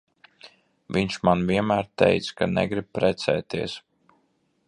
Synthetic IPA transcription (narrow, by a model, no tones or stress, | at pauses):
viɲt͡ʃmanvʲiɛmæːɾt̪ɛ̰jt̪skanɛ̰ɡɾib̚pɾɛt̪sɛ̰ːt̪iɛs